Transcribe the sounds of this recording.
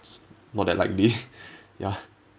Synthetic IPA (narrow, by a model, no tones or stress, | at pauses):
s | nɔt̚dɛ̰ʔla̰ɪk̚lija